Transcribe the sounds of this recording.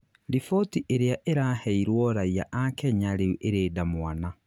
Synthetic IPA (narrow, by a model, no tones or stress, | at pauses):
ɾifɔtiʔeɾeaʔeɾaːhɛiɾwɔɾaiaʔakɛɲaɾeʔeɾeːdamwana